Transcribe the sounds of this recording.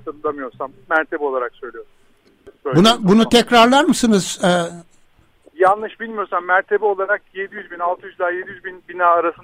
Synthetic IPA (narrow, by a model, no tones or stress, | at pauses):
sɯmd̪ˠamɯjo̞ɾsamːæɾt̪ʰebɛo̞lˠaɾaksø̞jlʲijoɾsu | øbunabunut̪ʰɛcɾaɾlˠaɾmɯsɯnɯz̥ɛː | janlˠɯʃbilʲmijoɾsamːæɾt̪ʰe̞bɛo̞lˠaɾakje̞d̪ijyzbinalˠt̪ʰɯjyzd̪aːjed̪ijyzbinbinaːɾasɯn